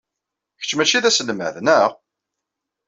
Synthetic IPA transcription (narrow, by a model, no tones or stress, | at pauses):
çə̥t͡ʃːmæt͡ʃːiðæsəlmæ̰ðnæʁ